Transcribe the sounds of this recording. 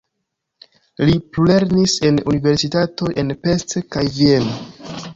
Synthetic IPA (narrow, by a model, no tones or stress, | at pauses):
liple̞ɾnise̞nunive̞ɾsitato̞jʔe̞npe̞stekajvieno